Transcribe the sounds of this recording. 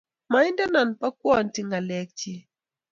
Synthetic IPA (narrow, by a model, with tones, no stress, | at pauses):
ma˨i˦nda˦na˨npa˦k̚wɔ˦˨nti˦ŋɡa˨lɛ˦k̚t͡ʃi˦